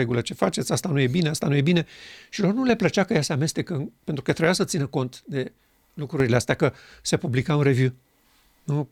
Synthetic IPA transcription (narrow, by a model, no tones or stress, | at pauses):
eɡulət͡ʃe̞fat͡ʃe̞t̪sʲast̪anuje̞bine̞ast̪anuje̞bine̞ʃilo̞rnule̞plət͡ʃakəjase̞ame̞st̪e̞kəpent̪ɾukət̪ɾebjasət̪sinəko̞nt̪d̪e̞ | lukɾuɾileast̪eakə | se̞publikaunre̞vju | nu